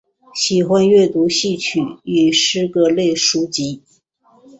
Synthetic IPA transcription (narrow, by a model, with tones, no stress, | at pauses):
ɕi˨˩xwa˥nɥɛ˥˩t̪u˧˥ɕi˥˩t͡ɕʰy˨˩y˨˩ʂɻ̩˥kɤ˧˥le˥˩ɪʂu˥t͡ɕi˧˥